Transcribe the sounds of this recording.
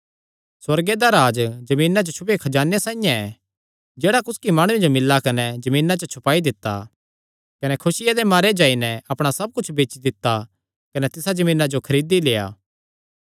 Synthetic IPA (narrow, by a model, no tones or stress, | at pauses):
swɐɾɡed̪aɾaːd͡ʒd͡ʒɐmiːnad͡ʒot͡ʃʰʊpekʰɐd͡ʒaːnesãːijãɛ | d͡ʒeːɽakʊskimaːɽ̃ũed͡ʒomɪlːakɐnɛd͡ʒɐmĩːnat͡ʃɐt͡ʃʰʊpaːid̪ɪt̪ːa̰ | kɐnɛkʰʊsɪjad̪emaːɾed͡ʒaːinɛɐpɽ̃asɐb̚kʊt͡ʃʰbeːt͡ʃid̪ɪt̪ːa | kɐnɛt̪ɪsad͡ʒɐmiːnad͡ʒokʰɐɾiːd̪ileːa̰ː